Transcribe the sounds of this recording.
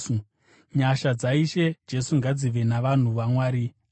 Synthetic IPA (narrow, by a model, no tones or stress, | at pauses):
u | ɲaʃad͡zaiʃe̞d͡ʒe̞suŋɡad͡ziʋe̞naʋan̤uʋamwaːɾi